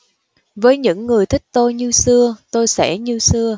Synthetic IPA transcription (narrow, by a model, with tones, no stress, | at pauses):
vəː˨˦jɲɨ̰˧˥ŋːɨ˨˩əjt̪ʰï˦˥k̟̚t̪o˧jɲɨ˧sɨ˧ət̪o˧jsɛ̰˧˥ɲɨ˧sɨ˧ə